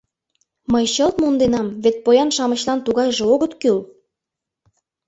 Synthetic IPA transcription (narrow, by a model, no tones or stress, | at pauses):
məjɕɤlt̪mund̪enɑmβet̪̚pojɑnʃɑmə̆ɕlɑnt̪uɣɑjʒeoɣət̪kyl